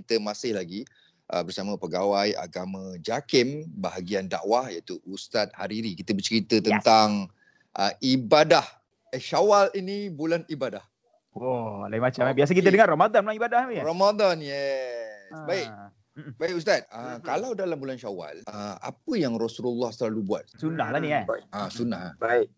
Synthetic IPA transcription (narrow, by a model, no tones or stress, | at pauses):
kit̪əmasɪhlaɡi | ʔə̰bərsamə̃pəɡawaja̰ɡamə̃d͡ʒakɪmbaɦaɡianda̰ʔwahjat̪uust̪at̪̚haɾiɾikit̪əbərt͡ʃəɾit̪ət̪ənt̪aŋ | ʔəibadah | əʃawalinibulanibadah | ɔlaimat͡ʃamɛbias̬əkit̪ədəŋarɔmad̪ɔnpənãŋibadahaarɔmad̪anjɛsbaɪk | baɪkus̬t̪at̪̚əkalawdalambulanʃawa̰ləa̰pəjaŋrɔsululːɔhsəlalubuat̪̚sunahlaniaãsunahlabaik̚